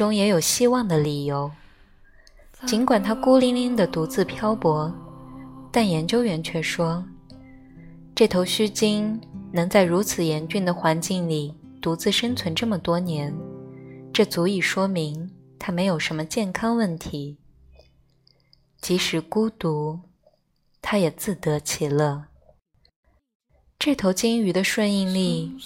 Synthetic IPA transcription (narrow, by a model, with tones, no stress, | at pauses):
ʊ˥ŋjɛ˧˥jo˨˩ʊɕi˥wɑ˥˩ŋd̪ə˩li˨˩jo˧˥ʊ | t͡ɕi˧˥ŋkwa˨˩nt̪ʰa˥ku˥li˧˥ŋi˥ŋd̪ə˨t̪u˧˥t͡sɹ̩˥˩pʰjɑ˥ʊpwɔ˧˥ | t̪a˥˩njɛ˧˥nt͡ɕjo˥ʊɥɛ˧˥nt͡ɕʰɥɛ˥˩ʂwɔ˥ | ʈ͡ʂɤ˥˩t̪ʰo˧˥ʊɕy˥t͡ɕi˥ŋnɤ˧˥ŋt͡sa˥˩ɪɻu˧˥t͡sʰɹ̩˨˩jɛ˧˥nt͡ɕy˥˩nd̪ə˩xwa˧˥nt͡ɕi˥˩ŋli˨˩ | t̪u˧˥t͡sɹ̩˥˩ʂə˥ŋt͡sʰwə˧˥nʈ͡ʂɤ˥˩mə˩t̪wɔ˥njɛ˧˥n | ʈ͡ʂɤ˥˩t͡su˧˥i˨˩ʂwɔ˥mi˧˥ŋt̪ʰa˥me˧˥ɪjo˨˩ʊʂə˧˥nmə˧t͡ɕjɛ˥˩nkʰɑ˥ŋwə˥˩nt̪ʰi˧˥ | t͡ɕi˧˥ʂɻ̩˧˥ku˥t̪u˧˥ | t̪ʰa˥jɛ˨˩t͡sɹ̩˥˩t̪ɤ˧˥t͡ɕʰi˨˩lə˥˩ | ʈ͡ʂɤ˥˩t̪ʰo˧˥ʊt͡ɕi˥ŋy˧˥d̪ə˧ʂwə˥˧ni˥˧ŋli˥˩